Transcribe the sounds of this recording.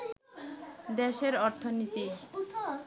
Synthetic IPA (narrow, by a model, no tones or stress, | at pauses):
d̪eʃeɾɔɾt̪ʰonit̪i